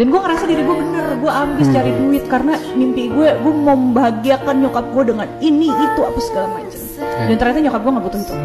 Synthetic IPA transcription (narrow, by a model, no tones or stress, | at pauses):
danɡuɛŋəɾasadiɾiɡuɛbənərɡuɛambɪst͡ʃaɾiduɪt̪̚karənamimpiɡuɛɡuɛməmbaɦaɡiakanɲukap̚ɡuɛdəŋaniniːt̪uapasə̥kaɾaŋmat͡ʃamdant̪ərɲat̪aɲukap̚ɡuɛŋɡabut̪ʊhit̪u